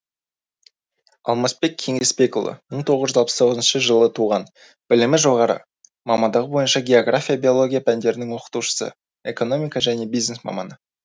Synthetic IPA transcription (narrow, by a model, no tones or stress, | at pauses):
ɑ̰lˠmɑsbe̞k̚ʲʰe̞ŋe̞spe̞kolˠə̰məɴt̪ʰo̞ʁəzʒʏzɑlˠpə̥st̪ʰo̞ʁznʃəʒəlˠət̪ʰuʁɑn | b̥ɪlɪmɪʒo̞ʁɑɾə̰ | mɑmɑnd̪ɑʁəbo̞jənʃɑɡʲe̞o̞ɡrafʲijabʲio̞lˠo̞ɡʲijapʰænd̪e̞ɾɪnɪŋwo̞qə̥t̪uʃə̥sə̰ | e̞ko̞no̞mijkɑʒæne̞bijzne̞smɑ̰mɑnə